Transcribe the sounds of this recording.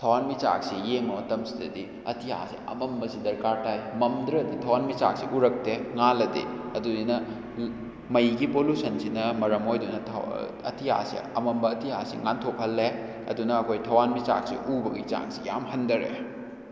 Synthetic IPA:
tʰɐwanmit͡ʃa̰k̚sijeŋmɐmɐtɐmsi̥dɐ̰di | ɐ̰tʰiha̰sḭɐ̰mɐmbɐsidɐɾkaɾtajmɐmdɾɐditʰɐwanmit͡ʃa̰k̚siʔuɾɐk̚teŋalɐdḛɐdudinɐ | mɐjɡipolusʰɐnsinɐmɐɾɐmojdunɐtʰ | ɐ̰tʰiha̰sḭɐ̰mɐmbɐːtʰihasḭŋantʰop̚hɐlːe | ɐ̰dunɐːkʰojtʰɐwanmit͡ʃa̰k̚sḭʔubɐɡḭt͡ʃa̰ŋsija̰mhɐndɐɾḛ

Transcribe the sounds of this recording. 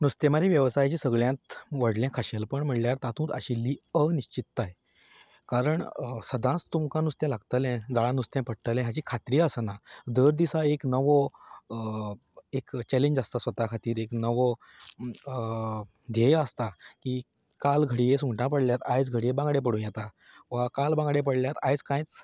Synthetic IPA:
nust̪ẽmaɾiʋjəʋsajt͡ɕiːsəɡɭjãt̪ʋəɽljãkʰaɕelpəɳm̤əʈljaɾt̪ãt̪ʰũːt̪ə̰ɕilːiːəniɕt͡ɕit̪ːaj | kaɾəɳsəd̪ʱãt͡st̪umkãnust̪jɛ̃laɡt̪əlɛ̃d͡zaɭãnust̪jãpəɽt̪əlɛ̃ɦjat͡ɕiːkʰat̪ɾiːəsənad̪əɾd̪isaeknəʋɔ | ekt͡ɕɛleɲd͡ʑast̪asʋət̪akʰat̪iːɾeknəʋɔ | d̪ʱejəst̪akiː | kalɡʱəɽijẽsũŋɡʈãpəɽljat̪ajd͡zɡʱəɽijebãŋɡɽep̬əɽũjɛt̪a | ʋakalbãŋɡɽẽp̬əɽljat̪ajt͡skãjt͡s

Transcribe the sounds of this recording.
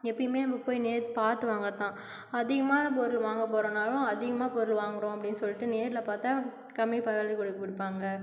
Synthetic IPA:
ɛpːɐɽɪmeːnɐmbɐpoːjineːɾpaːɾt̪ɯʋaːŋɡɐɾɐt̪ãː | ɐðɪɣɐmaːlɐp̬oɾɯlʋaːŋɡɐp̬oːɾɐnaːlʊ̃ɐðɪɣɐmaːpɔɾɪlʋaːŋɡɐɾõːɐpːɐɽɪnːɯsɔlːɪʈːɯneːɾɪlɐpaːɾt̪aː | kɐmːipɐɾɐːlðikɔɽɯkːɐʋɪɽɯpːaːŋɡɐ

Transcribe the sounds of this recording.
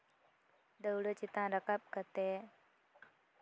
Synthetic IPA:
d̪əwɽət͡ɕit̪ãɾəkap̚kət̪e

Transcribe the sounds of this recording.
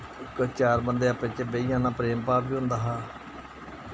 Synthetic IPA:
kət͡ʃaːɾbənd̪eːaːpẽːt͡ʃebeijãːnãːpɾeːmpaːpiːɦʊ̃nd̪aːɦaː

